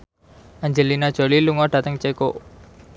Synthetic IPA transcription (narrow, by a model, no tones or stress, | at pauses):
ʔaɲd͡ʒəlinad̥ʒ̥o̤liluŋɔɖ̥ä̤t̪əŋt͡ʃekoʔ